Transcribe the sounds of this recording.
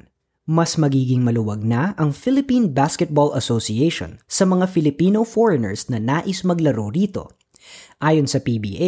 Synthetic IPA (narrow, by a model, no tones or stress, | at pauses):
mɐsmɐɡiːɡɪŋmɐlʊwɐɡ̚nɐʔɐŋfɪlɪpĩnbaskɛt̪̚bolʔɐsosiejʃo̰nsɐmɐŋafɪlɪpiːnofoɹɐnɛ̰ɹsnɐnaːʔɪsmɐɡlɐɾowɾiːt̪o̞̰ | ʔaːjonsɐpiːbḭːʔ